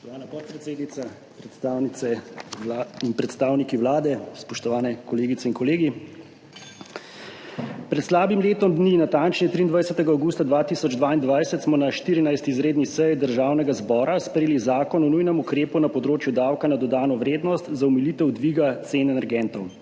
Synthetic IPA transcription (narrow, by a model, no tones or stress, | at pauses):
ɔt̪ɔʋaːnapɔt̪̚pɾɛt̪seːd̪nit̪sa | pɾɛawniɛ | inpɾɛt̪st̪aːwnikiwlaːd̪ɛspɔʃt̪ɔʋaːnɛkɔleːɡit̪sɛinkɔleːɡi | pɾɛt̪slaːbimleːt̪ɔmd̪ninat̪ant͡ʃnit̪ɾiːnd̪ʋajsɛt̪ɛɡaawɡuːst̪ad̪ʋaːt̪isɔd͡ʒd̪ʋaːind̪ʋajsɛt̪smɔnaʃt̪iɾinajst̪iizɾeːd̪nisɛjd̪əɾʒaːwnɛɡazbɔːɾaspɾeeːlizaːkɔnɔnujnɛmukɾeːpunapɔd̪ɾoːt͡ʃjud̪aːwkanad̪ɔd̪aːnɔʋɾeːd̪nɔst̪zaumilit̪ɛwd̪ʋiːɡat̪seːnɛnɛɾɡɛnt̪ɔw